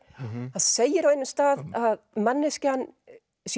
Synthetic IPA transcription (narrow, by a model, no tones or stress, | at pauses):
haðseːjɪɾawejnːɪmst̪aːðaðmanːɪscɪanː | s